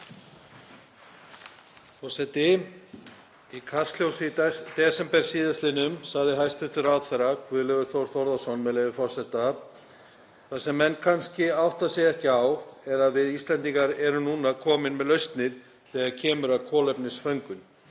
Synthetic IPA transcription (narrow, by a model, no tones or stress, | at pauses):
fɔsɛt̪ɪ | ikʰast̪l̥jowst̪ɛsɛmpɛɾ̥siːðast̪lɪnʏmsaɣðɪɦajst̪ʏht̪ʏɾawðθɛɾakʰvʏːðlœɣʏɾ̥θowɾ̥θɔɾðasɔnːmɛðlejvɪfɔ̥sɛt̪a | θasɛmːɛnːkʰanscɪawht̪asjɛɣɛhcɪawɛɾaðvɪðist̪lɛnt̪iŋkaɾɛɾʏnuːnakʰɔːmɪnmɛðlœɥst̪nɪð | θɛːɣaɾcʰɛːmʏɾaðkʰɔːlɛpnɪsfœɥŋkʏn